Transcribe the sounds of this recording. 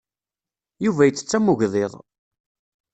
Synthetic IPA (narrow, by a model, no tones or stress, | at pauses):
juvæjət͡sːə̥t͡sːæmʊʝðˤeðˤ